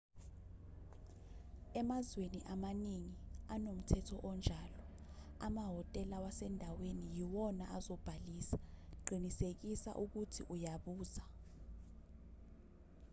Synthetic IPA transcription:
ɛmazweniʔamaniŋianom̩tʰɛtʰɔʔɔnd͡ʒʱalɔ | amaɦɔtʼɛlawasɛndʱawenijiwɔnaazɔb̥ʱaliːsḁǃʱinisek̬isa̰ʔuk̬utʰḭʔujaɓuːza

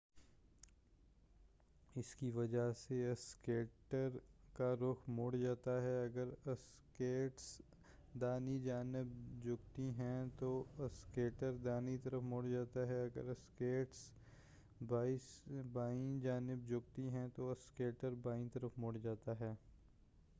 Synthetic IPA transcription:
ɪskiʋɐd͡ʒaseɐskeːʈəɾkaɾʊkʰmoːɽd͡ʒaːt̪aɦɛɐɡəɾɐs | keːʈs | d̪aːnid͡ʒaːnɪbd͡ʒʊɡt̪iɦɛ̃t̪oɐskeːʈəɾd̪aːnit̪ɐɾəfmoːɽd͡ʒaːt̪aɦɛɐɡə̰ɾɐskeːʈs | baːsbaːĩd͡ʒaːnɪb̚d͡ʒʊɡ̚t̪iɦɛ̃t̪oɐskeːʈəɾbaːĩt̪ɐɾəfmoːɽd͡ʒaːt̪aɦɛː

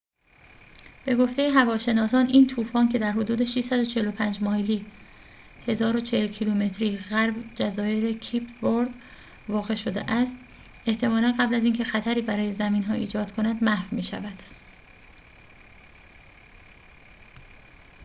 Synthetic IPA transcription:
b̥e̞ɡo̞ft̪ʰe̞jeɦævɒːʃe̞nɒːsɒːniːnt̪ʰuːfɒːncʰe̞d̪æɾɦo̞d̪uːd̪e̞ʃiʃsæd̪o̞t͡ʃʰe̞helo̞pʰænd͡ʒmɒːhliː | he̞zɒːɾo̞t͡ʃʰehelcʰilume̞t̪ʰɾiːɣæɾbd͡ʒæzɒːjeɾecʰipʰvoɾd̪ | vɒːɣe̞ʃo̞d̪ḛʔæst̪ | e̞ht̪ʰe̞mɒːlænɢæblæziːncʰexæt̪ʰæɾiːbæɾɒːje̞zæmiːnɦɒːḭːd͡ʒɒːd̪̥kʰo̞næd̪mæhvmiːʃæ̰væd̪̥

